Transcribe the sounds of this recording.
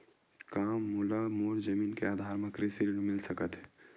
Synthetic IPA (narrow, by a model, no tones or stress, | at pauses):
kaːmːuːlamoːɾzəmiːnkeaːd̪ʱaːɾmɐkɾeseɾinmɪlsɐkət̪ɦɛ